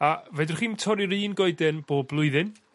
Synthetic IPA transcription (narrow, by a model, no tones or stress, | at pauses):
avɛdɪrχiːmtʰɔɾiɾɨːnɡɔɨdɛnb̥oːblˠʊɨðɨn